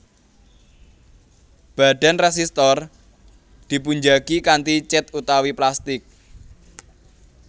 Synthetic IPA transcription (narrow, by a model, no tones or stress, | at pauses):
b̥a̤ɖ̥a̤nres̬ist̪ɔr | d̪̥i̤puɲd͡ʒakikant̪it͡ʃɪt̪ut̪awiplast̪ɪk̚